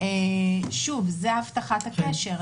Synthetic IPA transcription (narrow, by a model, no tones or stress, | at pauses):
eʃuvzeaavt̪aχat̪akeʃe̞ʁ